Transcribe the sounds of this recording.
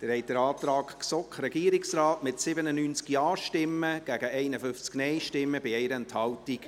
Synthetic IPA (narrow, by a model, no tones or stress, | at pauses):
d̥əɾhɛɪt̚dəɾɑːt̪ɾɑːkksɔkɾɛɡ̥iəɾɪksɾɑːtmɪtsɪbənənyːnt͡skjɑːʃtɪmːəɡ̥æɡ̥əɛɪnəfʏft͡sknɛɪʃtɪmːəbɪɛɪɾəɛnthɑltik